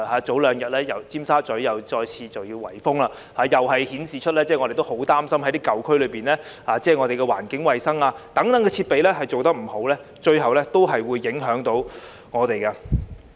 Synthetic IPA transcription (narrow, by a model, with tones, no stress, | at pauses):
haː˨˥t͡so˨˥wlœː˨˧ŋjɐ˨t̚lɛː˥jɐ˨˩wt͡siː˥msaː˥t͡sɵ˨˥jɐ˨wt͡sɔː˧jt͡sʰiː˧t͡sɐ˨wjiː˧wwɐ˨˩jfʊ˥ŋlaː˧ | haː˨˥jɐ˨wɦɐ˨jhiː˨˥nsiː˨t͡ʃʰɵ˥lɛː˥t͡sɛː˥˩ŋɔ˧ɾe˨jt̪o˥who˨˥wt̪aː˥msɐ˥mhɐ˧˥jt̪iː˥kɐ˨wkʰɵ˥ɥlɵ˨˧piː˨˩nlɛː˥haː˨˥t͡sɛː˥˩ŋɔ˨˧t̪e˨jkɛ˧wa̰ː˨˩nkɪ˨˥ŋwɐ˨jsɐ˥ŋaː˧t̪ɐ˨˥ŋt̪ɐ˨˧ŋkɛː˧t͡sʰiː˧t̚pe˨jlɛː˥ɦɐ˨jt͡so˨wt̪ɐ˥k̚m̩˨˩ho˨˥wlɛː˥ | t͡ʃɵ˧ɥɦɐ˨wlɛː˥t̪o˥wɦɐ˨jwuː˨˧jːɪ˨˥ŋɦœː˨˥ŋt̪o˨˥w | ŋɔː˨˧t̪e˨jkɐ˧